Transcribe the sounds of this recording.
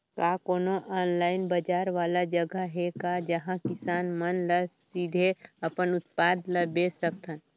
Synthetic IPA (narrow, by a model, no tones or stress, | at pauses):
kakoːnoʔɔːnlaːɪnbəd͡ʒaːɾʋaːlad͡ʒəɡəɦɛkad͡ʒəɦãkɪsaːnmənləsid̪ʱeəpənʊt̪paːd̪ləbesək̚t̪ʰən